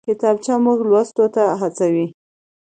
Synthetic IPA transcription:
kɪt̪ɑb̚t͡ʃɑmuɡlwast̪ot̪aɦat͡sawi

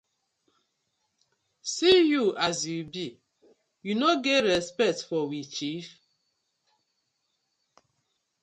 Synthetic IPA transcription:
sijuʔazjubi | junoɡɛtɹɛspɛk̚tfɔwit͡ʃif

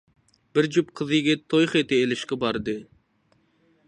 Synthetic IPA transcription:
bɪɾd͡ʒup̚qʰəzɨɡʲɛt̪ʰojχet̪ɪelɪʃqɛbɑɾd̪ɨ

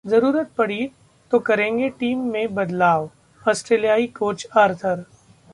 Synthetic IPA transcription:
zɐɾuːɾət̪̚pɐɽi | t̪okɐɾẽːŋɡeʈiːmːẽbɐd̪laːʋ | ɔːsʈɾeːlijaːikoːt͡ʃɐɾt̪ʰəɾ

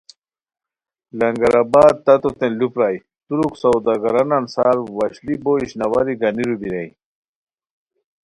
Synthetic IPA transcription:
lɐŋɡɐɾabaːd̪̚t̪ɐt̪ot̪ẽlupɾaj | t̪uɾuksawd̪aɡɐɾanɐnsaːɾwɐɕliboiɕnɐwaɾiɡɐniɾubiɾaj

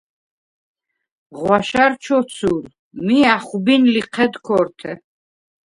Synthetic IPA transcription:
ʁwaʃaɾt͡ʃʰɔt̪sʰuɾ | miaχubinliqʰɛd̪kʰɔɾt̪ʰɛ

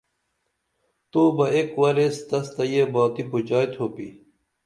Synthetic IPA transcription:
t̪oːbɐekwɐɾest̪ɐst̪ɐjebaːt̪iput͡ɕaːjt̪ʰoːpi

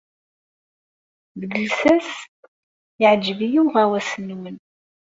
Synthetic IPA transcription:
ðəɡəlsæs | ɪʕd͡ʒːəvijuwʁæwæsənːwən

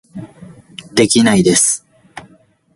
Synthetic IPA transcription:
d̪e̞kʲinaid̪e̞sɨ̥

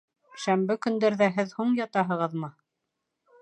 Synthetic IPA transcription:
ʃæmbɘkɵ̆nd̪æɾðæɦɘðhuɴjɑt̪ɑɦɤ̆ʁɤðmɤ

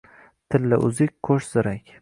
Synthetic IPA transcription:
t̪ʰɪlːɪ̰ʔʊzɪkʲkʰɵʃz̥ɪɾakʲ

